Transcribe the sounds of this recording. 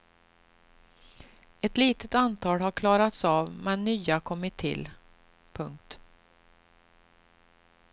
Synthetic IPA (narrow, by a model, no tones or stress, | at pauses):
ɛt̪liːt̪ət̪ant̪ʰɑːlɦaɾkʰlɑːɾat̪sɑːvmɛnːyːakʰɔmːɪt̪ʰːɪ̰l | pʰɵŋk̚t̪